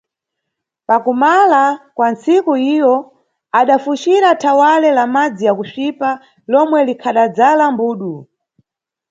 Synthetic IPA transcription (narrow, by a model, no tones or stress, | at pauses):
pakumalakwant͡sikuijɔ | aɗafuʃiɾatʰawalɛlamad͡zijakuʃipa | lɔmwɛlikʰaɗad͡zalambuːɗu